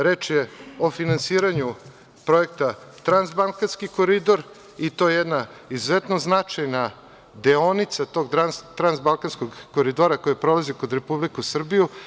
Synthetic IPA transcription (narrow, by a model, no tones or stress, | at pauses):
ɾe̞ːt͡ʃjeo̞finansiːɾaɲu | pɾo̞ekt̪at̪ɾanzbalˠkanskikoɾid̪o̞ɾ | it̪o̞jejed̪naizuzet̪noznat͡ʃajna | d̪eo̞nit̪sat̪o̞ɡt̪ɾanst̪ɾanzbalˠkanskoɡkoɾid̪oɾakojepɾolazikod̪ɾepublikusr̩biju